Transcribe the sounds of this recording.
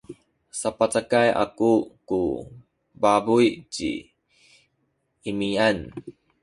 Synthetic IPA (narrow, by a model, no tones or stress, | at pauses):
sapat͡sakajʔa̰kukṵ | babujt͡ɕḭ | imian